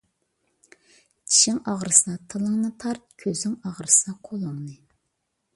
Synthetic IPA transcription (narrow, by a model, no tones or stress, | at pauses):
t͡ʃʲʰi̥ʃɪŋɑʁɾɨsɑt̪ʰɨlˠɨŋnɨt̪ʰɑɾt̪̚kʲʰøzɪŋɑʁɾɨsɑqʰolˠoŋnɨ